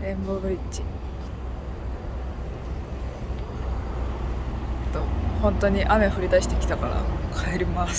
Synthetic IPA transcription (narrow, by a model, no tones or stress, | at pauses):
ẽ̞mbobɯ̟ɾʲit͡ɕi | t̪ːohõ̞nt̪o̞ɲ̟iʔame̞ɸɯ̟ɾʲid̪aɕi̥t̪e̞kʲi̥t̪akaɾa̰kʰaeɾʲimas